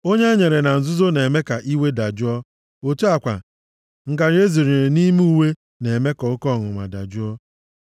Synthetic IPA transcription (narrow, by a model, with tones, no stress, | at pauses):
o˦ɲe˦ɲe˨ɾe˨na˨n̩˨zʊ˦zo˦ne˨me˦ka˨ʔi˦we˦da˨d͡ʒʊ˦ɔ˦ | o˨tu˦a˦˨kʷa̰˨ | ŋ̩˨ka˨ɾe˦zi˨ɾi˨ɾe˨ni˦m˦u˦we˦ | ne˨me˦kɔ˨ʊ˦kɔ˦˨ŋʊ̰˨ŋʷa̰˨da˨d͡ʒʊ˦ɔ˦